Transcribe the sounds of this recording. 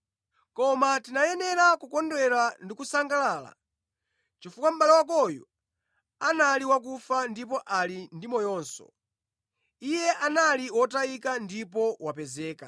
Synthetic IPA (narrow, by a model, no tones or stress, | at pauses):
kɔmatinajɛnɛɾakukɔndwɛɾandikusaŋɡalaːla̰ | t͡ʃifukwam̩ɓalɛwakɔjɔ̰ | analiwak̬ufandipɔʔalindimɔjɔːnsɔ̰ | ijɛʔanaliwɔtaikandipɔwapɛzɛːka